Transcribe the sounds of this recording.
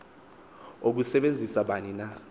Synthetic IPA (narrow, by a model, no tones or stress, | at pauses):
ok̬usɛɓend͡zʱisaɓanina